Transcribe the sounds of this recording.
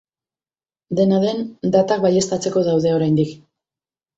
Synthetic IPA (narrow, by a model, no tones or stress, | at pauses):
d̪e̞naðe̞nd̪at̪ak̚baje̞st̪at͡se̞ko̞ðawðe̞o̞ɾajnd̪ik